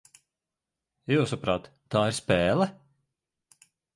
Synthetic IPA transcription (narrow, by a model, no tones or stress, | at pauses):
juwsapɾaːt̪ːaːiɾspɛːlˠɛ